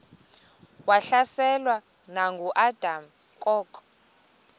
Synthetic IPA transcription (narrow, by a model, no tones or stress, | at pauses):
waɬasɛlwa | naŋɡʱuʔad̥ʱam̩ | kʼɔːkʼ